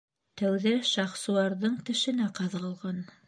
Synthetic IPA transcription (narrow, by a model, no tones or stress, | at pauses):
t̪æwðæʃɑχsŭɑɾðɤɴt̪ɘ̆ʃɘ̆næqɑðʁɤ̆lˠʁɑn